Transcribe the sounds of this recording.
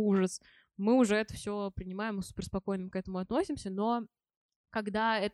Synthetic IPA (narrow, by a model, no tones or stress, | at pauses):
uʐəs | mɨʊʐɛɛt̪əfsʲopɾʲɪnʲɪmajɪmɨsʊ̥pʲɪrspɐko̞jnɨəmkɛt̪əmʊɐt̪nosʲɪmsʲəno̞ | kɐɡd̪aɛt̪